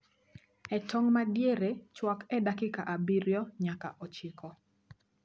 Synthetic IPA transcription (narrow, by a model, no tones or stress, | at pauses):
ɛtʰɔŋmadjeɾet͡ʃwɔkɛdakɪkaʔabiɾjɔɲaka̰ʔɔt͡ʃɪkɔ